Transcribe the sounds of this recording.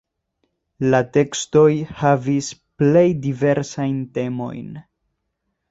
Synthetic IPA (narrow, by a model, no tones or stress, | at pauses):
late̞ksto̞jhavisple̞jdive̞ɾsajnte̞mo̞̰jn